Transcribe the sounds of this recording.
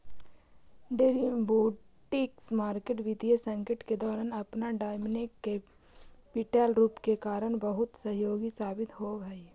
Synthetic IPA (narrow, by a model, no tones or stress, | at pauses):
ɖeɾiboː | ʈɪksmaːɾkeːʈʋɪd̪iesə̃ŋkɪʈked̪ɔːɾaːnɐpnaɖaːɪmnɪkːe | pɪʈaːlɾuːpkekaːɾəɽ̃bəɦʊt̪sɐɦjoːɡisaːbɪt̪ɦobʱai